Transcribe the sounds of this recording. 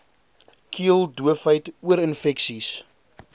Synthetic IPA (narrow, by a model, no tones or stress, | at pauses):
kʰiəlˠduəfəjtuəɾənfɛksis